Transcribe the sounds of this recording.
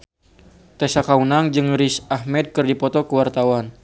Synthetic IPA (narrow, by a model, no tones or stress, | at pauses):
t̪ɛsakaunaŋd͡ʒɨŋɾisahmɛd̪̚kɨrdipɔt̪ɔkəwart̪awan